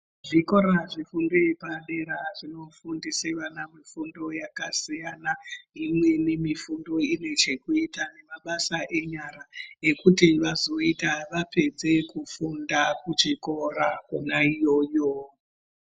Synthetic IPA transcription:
ʐiko̞ɾaʐifundojepaɗe̞ɾaʐino̞fundiseʋanamifundo̞jakasijanaimwe̞ne̞mifundo̞ine̞t͡ʃe̞kuitane̞maɓasaʔe̞ɲaɾaekutiʋazo̞itaʋape̞d͡ze̞kufundakut͡ʃiko̞rakunaijo̞ːjo

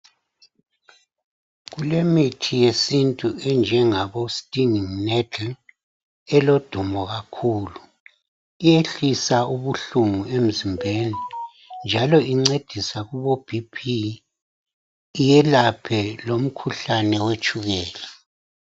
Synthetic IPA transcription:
ɣulemitʰijesintʼuɛnd͡ʒʱɛŋaβostʼiniŋnɛtʰl | ɛlod̥ʱumɔɣakʰuːlu | ijeɬisauβuɬuŋuem̩zimbʱeːni | nd͡ʒʱalɔiŋ͡ǀed̥ʱisaɣuβob̥ʱipʰi | jɛlapʰɛlom̩kʰuɬanɛwet͡ʃʼuɣɛːlɛ

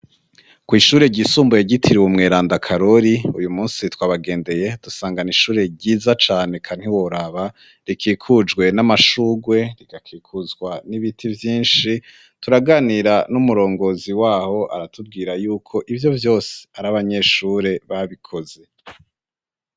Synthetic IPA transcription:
kwiːʃuːɾe̞ɟiːsuːmbujeɟitʰiɾiwumŋe̞ːɾaːndakʰaɾo̞ɾiujumuːnsitwaːβaɡe̞ːnde̞je̞d̥usaːŋɡaniʃuːɾe̞ɟiːzat͡ʃaːne̞kʰan̥hiwoɾaβa | ɾikʰiːkʰud͡ʒɡwe̞namaʃuːɡwe̞ɾiɡ̥akʰiːkʰuzɡwaniβitʰivjiːnʃi | tuɾaɡaniɾanumuɾo̞ːŋɡo̞ziwaːho̞ʔa̰ɾatub̚ɡiːɾajuːkʰo̞ʔivjo̞vjo̞ːse̥aɾaβaɲe̞ʃuːɾe̞βaβikʰo̞ze̞

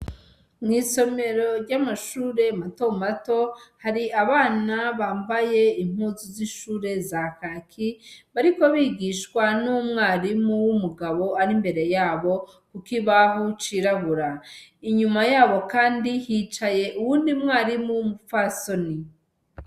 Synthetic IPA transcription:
ŋiːso̞me̞ɾo̞ɾɟamaʃuːɾe̞matomato̞haɾiaβaːnaβaːmbaje̞iŋ̥huzuziʃuːɾe̞zakakʰiβaɾiko̞βiɡiːʃkwanumŋaːɾimuwumuɡaβo̞aɾimbe̞ɾe̞jaːβo̞ | kukiβaɦut͡ʃiɾaβuɾaiɲumajaːβo̞kaːndihit͡ʃaje̞ʔuwuːndimŋaːɾimuwumufaso̞ni

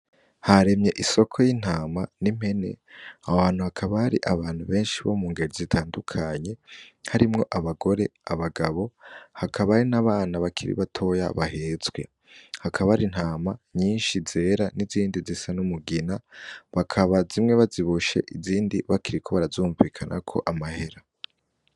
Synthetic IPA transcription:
haɾe̞mɲe̞ʔiso̞kʰo̞jin̥haːmanim̥e̞ne̞̰aβaːn̥uhakʰaβaaɾiʔaβaːn̥huβe̞ːnʃiβomuːŋɡeɾizitʰaːndukʰaɲe̞haɾimŋo̞ʔaβaɡo̞ɾe̞aβaɡaβo̞hakʰaβaɾinaβaːnaβakʰiɾḭβatʰo̞ja̰βaheːzɡwe̞̰ | hakʰaβaaɾin̥haːmaɲiːnʃiz̥e̞ːɾaniziːndizisanumuɡinaβakʰaβazimŋe̞βaziβuʃe̞̰ʔiziːndiβakiɾikʰo̞βaɾazuːɱviːkʰanʔa̰kʰo̞̰ʔamahe̞ɾa

